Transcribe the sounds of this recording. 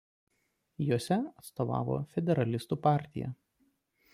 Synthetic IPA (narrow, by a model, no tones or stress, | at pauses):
juɔsʲɛɐt̪st̪oːʋɑ̰ːʋo̰ːfʲɛd̪ʲɛɾɐlʲɪst̪uːpɑˑɾʲt̪ʲɪ̰jɛ̰